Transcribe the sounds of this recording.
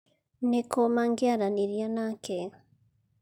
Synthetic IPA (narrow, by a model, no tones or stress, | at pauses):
nekomaŋɡaɾaniɾjanakeɾa